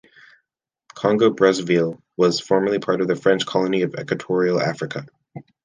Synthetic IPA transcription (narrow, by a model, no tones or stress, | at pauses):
kʰɑ̃ŋɡoʊbɹʌzvilˠ | wʌz̥fɔɹmə˞lˠipʰɑɹɾʌvðɨfɹɛ̃nt͡ʃkʰɑlˠəniʌvɛ̰kwɨtʰɔɹil̩ˠæ̰fɹɨkʰə